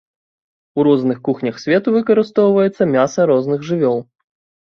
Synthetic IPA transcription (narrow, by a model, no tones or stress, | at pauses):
uɾɔznɨxkuxnʲɐxsʲvʲɛt̪uvɨkɐɾɨst̪ɔwvɐjɛt̪sːɐmʲasɐɾɔznɨɣʐɨvʲɔlˠ